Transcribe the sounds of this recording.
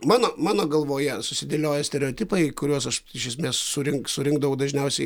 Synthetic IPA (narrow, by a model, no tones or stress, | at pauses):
mɑːnoːmɑːnoːɡɐlˠʋoːjɛsʊsʲɪd̪ʲeːlʲoːjɛsʲt̪ʲɛɾʲɛoːt̪ʲɪpɐɪkʊɾʲuɔsɐʃɪʃʲjɛs̬ʲmʲeːssʊɾʲɪŋksʊɾʲɪŋɡ̚d̪ɐʋɐʊd̪ɐʒʲnʲɛʊsʲɛɪ